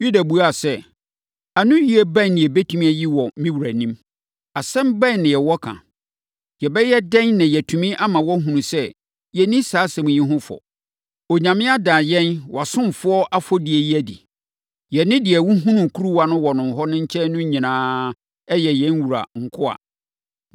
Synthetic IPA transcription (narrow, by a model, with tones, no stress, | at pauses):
ju˦da˨bu˨a˨sɛ˦ | a˨nʊ̃˦ji˦ɛ˦bã˦nnɪ̃˨ɛ˨be˦tʰũ˦mĩ˦æ˦ji˦wɔ˨mĩ˦wu˨ɾæ˨nĩ˦m | a˨sɛ̃˦mbã˦˨nnɪ̃˨jɛ˨wɔ˦kʰã̰˨ | jɛ˨bɛ˦jɛ˦dɛ̃˦nnã˨jɛ˨tʰũ˨mĩ˦ʔa˦mã˨wɔ˦ɦũ˨nũ˨sɛ˦ | jɛ˨nĩ˦saː˨˦sɛ̃˨m̃˨ɲĩ˦ɦʊ̃˦fɔ̰˨ | o˨ɲã˨mɪ̃˦a˦dãː˨jɛ̃˦nwa˨sʊ̃˦m˨fʊ˦ɔ˦ʔa˦fɔ˦dɪ˨ɛ˨ji˦æ˦˨dḭ˨ | jɛ˨nɪ̃˦dɪ˨ɛ˨wũ˦ɦũ˦nʊ̃˨ŋ˨kʰu˦ɾu˦wa˨nʊ̃˦wɔ˨nʊ̃˨n˨ɦɔ˦nʊ̃˦ɲ̩˦t͡ɕʰɛ˦nʊ̃˦ɲĩ˨nãː˨˦ | ɛ˦jɛ˨jɛ̃˨˦n˦wu˨ɾa̰˨ŋ̩˨kʰʊ˦a̰˨